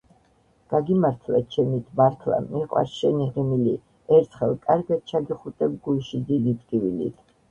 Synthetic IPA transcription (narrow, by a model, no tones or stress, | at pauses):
ɡ̥aɡimaɾt̪ʰla̰t͡ʃʰɛmit̪ʰmaɾt̪ʰla̰miqʼwa̰ɾʃɛniʁɛmili | ɛɾt̪sʰχɛlˠkʼaɾɡat̪̚t͡ʃʰaɡiχut̪ʼɛb̚ɡulˠʃid̪id̪it̪ɡʼivilḭt̪ʰ